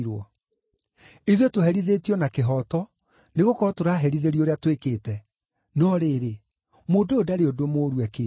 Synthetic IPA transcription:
ɾwɔ | iðetoɦɛɾiðetiɔnakeɦɔtɔ | neɣokɔɾɔtoɾaɦɛɾiðeɾioɾeatwekeːtɛ | nɔɾeːɾe | moːdoodaɾeodomoɾwɛke

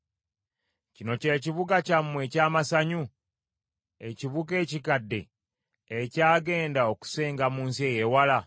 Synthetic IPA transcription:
cino̞ce̞ːciβuɡacamːwe̞caːmasaɲu | eciβuɡe̞ːcikadːe̞̰ː | caːɡe̞ːndao̞ku̥se̞ːŋɡamuːnsie̞jewala

